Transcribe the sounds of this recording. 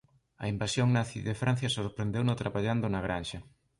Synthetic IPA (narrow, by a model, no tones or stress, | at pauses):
ɐ̰imbasjoŋnaθiðefɾan̟θjɐsoɾpɾend̪ewnot̪ɾaβaʎand̪onaɣ̞ɾanʃɐ